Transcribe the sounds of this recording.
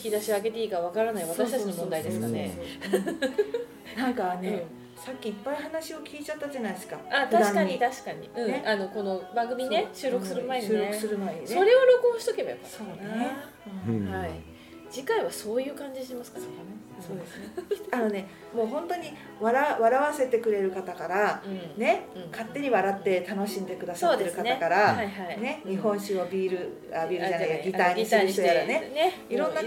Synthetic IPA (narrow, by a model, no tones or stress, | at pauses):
kʲid̪aɕioaɡe̞t̪e̞iːkaβ̞akaɾanaiβat̪aɕi̥t̪ainomõnd̪aid̪e̞sɨ̥kane̞ | nãŋkane | sakʲːiːpːaihanaɕio̞kʲiːt͡ɕat̪ːad͡ʑanaiesɨ̥kaat̪aiaɲkaɲit̪aɕi̥kaɲ̟iɯ̟̃ʔano̞ko̞no̞bãŋɡɯ̟mʲineɕɨːɾo̞kɯ̟̥sɨɾɯ̟maeiɨːeɯ̥sɨɾɯ̟maeɲso̞ɾe̞oɾo̞kõɕi̥t̪o̞kebajokːason | hai | d͡ʑikaiβaso̞ːjɯ̟ːkãɲ̟d͡ʑiɕimasɨ̥ka | so̞ːd̪e̞sano̞ne̞ | mo̞ːɦõ̞nt̪o̞ɲ̟i | βaɾaβaɾaβase̞t̪e̞kɯ̟ɾe̞ɾɯ̟kat̪akaɾane̞kat̪ːe̞ɲ̟iβaɾat̪ːe̞t̪ano̞ɕĩnd̪e̞kɯ̟d̪asad̪eɾɯkatnakaɾaahaine̞ɲ̟iɦõ̞ɰ̃ɕɨβabʲiːɾɯ̟ | abʲiːɾɯd͡ʒanaijɡʲit̪aiɲisɨɾɯ̟çt̪ojaɾane̞n | iɾõ̞nːa